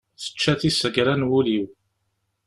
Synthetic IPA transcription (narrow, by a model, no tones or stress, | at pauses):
θə̥t͡ʃːæθisəɡɾænwuliw